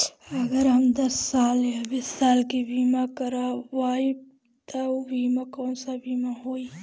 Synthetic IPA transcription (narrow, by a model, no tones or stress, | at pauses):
ɐɡəɾɦɐmd̪ɐsːaːlɐbɪsaːlkibiːmãkɐɾawaːi | t̪aobiːmãkoːnsabiːmaɦoːi